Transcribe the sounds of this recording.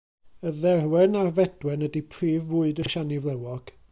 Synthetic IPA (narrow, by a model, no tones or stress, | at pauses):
əðɛrwɛnarvɛd̥wɛnədipʰriːvuːɨdəʃanivlˠɛwɔɡ̥